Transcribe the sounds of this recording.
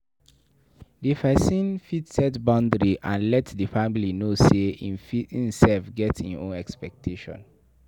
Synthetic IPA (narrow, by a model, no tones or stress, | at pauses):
difasĩnfitsɛtbɔ̃ndɹiʔãnlɛtdəfamilinoseĩnfiĩnsɛlfɡɛtḭ̃nõ̰nɛkspɛk̚tʰeʃɔ̰̃n